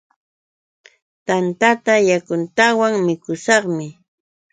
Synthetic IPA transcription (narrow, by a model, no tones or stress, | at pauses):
t̪ant̪at̪ajakʊnt̪awaŋmɪkʊsɑχmɪ